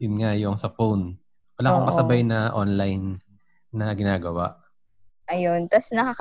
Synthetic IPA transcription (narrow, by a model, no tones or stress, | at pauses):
jʊnŋajʊŋsɐfown | wɐlaːkopɐsɐbajnɐʔonlajnː | ɐɡɪnaːɡɐwa̰ʔ | ʔɐjont̪asnɐkɐk